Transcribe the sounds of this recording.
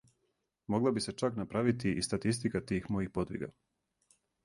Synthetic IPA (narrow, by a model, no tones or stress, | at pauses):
mo̞ɡlˠabise̞t͡ʃaknapɾaʋit̪iʔist̪at̪ist̪ikat̪iːxmo̞jixpo̞d̪ʋḭɡa̰